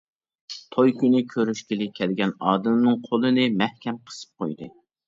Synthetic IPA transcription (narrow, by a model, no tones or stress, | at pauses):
t̪ʰojkʲynɪkʲʰøɾyʃkʲilɪkʲʰɛlɡʲɛnɑːd̪ɨmnɨŋqʰolˠɨnɨmɛhkʲɛmqʰə̥sɨ̥p̚qojd̪ɨ